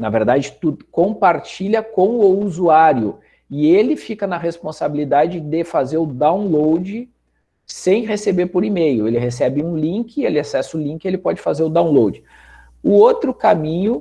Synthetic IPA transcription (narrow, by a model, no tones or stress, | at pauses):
nɐveɾd̪ad͡ʒɪt̪ud̪ʊkõpaɾt͡ʃiʎʲɐkõw̃ʊuzuaɾjʊ | ɪelɪfikɐnɐɦespõsabilid̪ad͡ʒɪd̪ɪfazeɾʊd̪ãw̃lowd͡ʒɪ | sẽj̃ɦesebeɾpoɾimejʊelɪɦesɛbɪũlĩŋkɪelɪasɛsʊlĩŋkɪelɪpɔd͡ʒɪfazeɾʊd̪ãw̃lowd͡ʒɪ | ʊot̪ɾʊkamĩɲʊ